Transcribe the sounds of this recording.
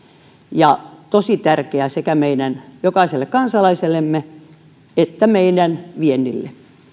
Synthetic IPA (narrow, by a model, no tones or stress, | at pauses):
jɑt̪osit̪ærkeæsekæmeinænjokɑiselːekkɑnsɑlɑiselːemːe | et̪ːæmeinænʋienːilːḛ